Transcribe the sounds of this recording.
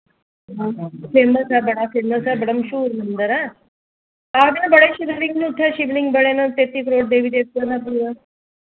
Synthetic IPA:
ɦafembəsabəɽafeməsabəɽəmɕuːɾmənd̪əɾa | abinabəɽeɕid̪əɾiŋɡniuʈʰjaɕiʋniŋɡbəɽenət̪et̪ːiːkɾoːʈ̚d̪eʋiːd̪es̚t̪ənapuːɾa

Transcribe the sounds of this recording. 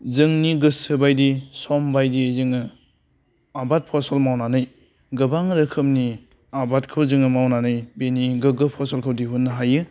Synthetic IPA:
zɯŋniɡɯsɯbajdisɔmbajdizɯŋɯ | abat̚pʰɔsalmawnanɯj | ɡɯbaŋɾɯkʰɯmni | abatkʰɯwzɯŋɯmawnanɯjbeniɡɯɡɯpʰɔsalkʰɯwdiɦunːɯɦajɯ

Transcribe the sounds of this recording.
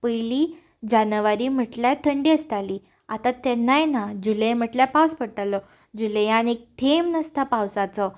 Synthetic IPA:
pəjli | d͡ʑanəʋaɾiːm̤əʈljat̪ʰəɳɖiəst̪ali | at̪at̪ɛnːajnad͡ʑuləjm̤əʈljapawspəɽt̪alɔ | d͡ʑuləjanek̚t̪ʰemnəst̪apawsat͡sɔ

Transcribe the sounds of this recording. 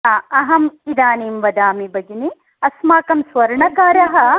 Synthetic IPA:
aɐɦɐmid̪aːniːmʋɐd̪aːmibɐɡini | ɐsmaːkɐmsʋɐɾɳɐkaːɾɐɦɐ̆

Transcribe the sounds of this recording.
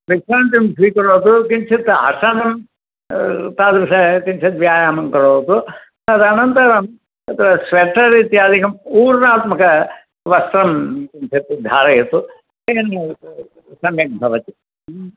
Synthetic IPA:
ɾisɾaːɳʈ̪imsɾiːkɐɽoːt̪ukiɲt͡ʃʰit̪ɐ̰sanɐm | t̪aːd̪bɐsɐkint͡ʃʰɐt̪ʋjaːjaːmɐmkɐɽoːt̪u | ɐd̪ɐnɐnt̪ɐɾɐm | ɐt̪ɾɐsʋeʈːɐɾiːt̪iɐd̪ʱikɐmuːɾnaːt̪mɐkɐ | ʋɐst̪ɾɐmkint͡ʃʰit̪d̪ʱaːɾɐjɐt̪ːu | eːn | sɐmjɐmbʱɐʋɐt̪i

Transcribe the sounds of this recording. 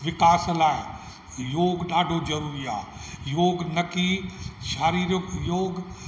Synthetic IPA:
ʋɪkaːslae | joːɡnaːɖʱod͡ʒɐɾuːɾia̰ː | joːɡnɐkiʃaːɾiːɾəkjoːɡ

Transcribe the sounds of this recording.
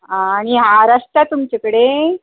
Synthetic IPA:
aɽ̃iɦaɾaʂʈat̪umt͡ɕakəɽe

